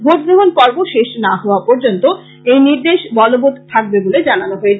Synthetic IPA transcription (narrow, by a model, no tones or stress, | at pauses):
bʱot̪̚ɡɾoɦonkɔɾboʃeʃnaɦɔoapɔɾd͡ʑont̪o | ejniɾd̪eʃbɔlobot̪t̪ʰak̚beboled͡ʑananoɦoet͡ɕʰ